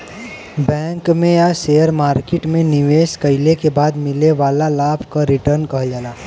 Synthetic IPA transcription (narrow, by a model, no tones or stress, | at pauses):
bɛ̃ːŋkmẽjasejəɾmaːɾkeʈmẽnɪʋeːskɐɪlekebaːd̪mɪleʋaːlalaːbʱkaɾɪʈəɾnkɐɦd͡ʒaːlaː